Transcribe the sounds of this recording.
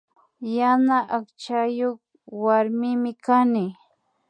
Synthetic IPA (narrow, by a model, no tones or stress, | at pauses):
janaʔakt͡ʃajoχ | waɾmɪmɪkanɪ